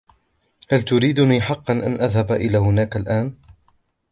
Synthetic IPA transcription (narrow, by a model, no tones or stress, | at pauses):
halt̪ʊɾiːd̪ʊniːħɑqːɑnʔa̰nʔaðhabʔɪlaːɦʊnaːkalʔaːn